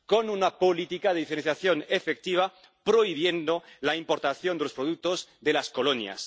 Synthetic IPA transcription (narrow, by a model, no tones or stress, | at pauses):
ko̞nunapo̞lit̪ikaðeifeenθjaθjo̞nefe̞k̚t̪iβ̞a | pɾo̞iβ̞je̞nd̪o̞laimpo̞ɾt̪aθjo̞nd̪elospɾo̞ðuk̚t̪o̞zðe̞lasko̞lonja̰s